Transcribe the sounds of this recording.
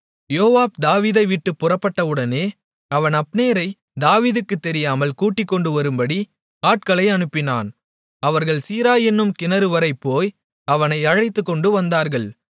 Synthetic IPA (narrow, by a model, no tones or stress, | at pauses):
joːʋaːbd̪aːʋiːðɐɪʋɪʈːɯpːʊrɐpːɐʈːɐʋɯɽɐneː | ɐʋɐnɐpːneːɾɐɪ | d̪aːʋiːðɯkːɯt̪ːɛɾɪjaːmɐlkuːʈːɪkːɔɳɖɯʋɐɾɯmbɐɽi | aːʈ̚kɐɭɐɪɐnɯpːɪna̰ːn | ɐʋɐɾɣɐɭsiːɾaːjɛnːɯmkɪnɐɾɯʋɐɾɐɪpːoːj | ɐʋɐnɐɪɐɻɐɪt̪ːɯkːɔɳɖɯʋɐnd̪aːɾɣɐɭ